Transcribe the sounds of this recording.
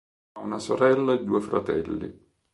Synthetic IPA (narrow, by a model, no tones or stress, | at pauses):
unasoɾɛlːaed̪ːuːefɾa̰t̪ɛ̰lːḭ